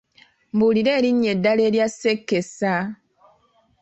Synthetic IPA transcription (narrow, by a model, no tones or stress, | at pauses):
mbuliɾeɾiɲedaleɾjasekːesa